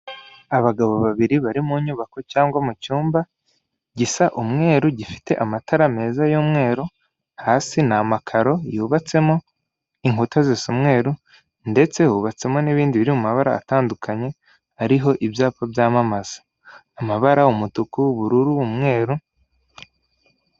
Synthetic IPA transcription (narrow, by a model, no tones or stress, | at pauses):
aβaɡaβoβaβiɾiβaɾimuɲuːβako̞t͡ʃaːŋɡwamut͡ʃuːmba | ɟisaʔumŋe̞ːɾuɟifi̥te̞ʔamatʰaɾame̞ːzajoːmŋe̞ːɾo | haːsinamakʰaɾo̞juβat͡se̞mo̞ | iŋutazesumŋe̞ːɾu | nde̞t͡se̞huβat͡se̞mo̞niβiːndiβiɾimumaβaɾa̰ːtaːndukʰaɲe̞ | aɾiɦo̞ʔibjaːpavjaːmamaz̥ḁ | amaβaɾaumutukuβuɾuɾuumŋe̞ːɾu